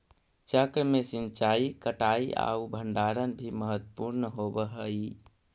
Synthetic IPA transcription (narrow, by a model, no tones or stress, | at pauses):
t͡ʃəkɾmesint͡ʃaikəʈaia̰ubʱəɳɖaɾənbʱiməɦət̪ːəpuɾnɦobəɦəi